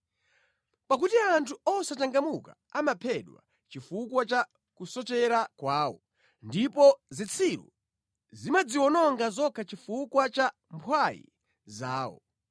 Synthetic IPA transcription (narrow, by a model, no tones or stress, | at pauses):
pakutiantʰuɔsataŋɡamuka̰ | amapʰɛɗwa̰ | t͡ʃifukwat͡ʃa | kusɔt͡ʃɛɾakwaːwɔ̰ | ndipɔzit͡sʰiɾṵ | zimad͡ziwɔnɔŋɡazɔkʰat͡ʃifukwat͡ʃa | mpʰwajḭ | zaːwɔ̰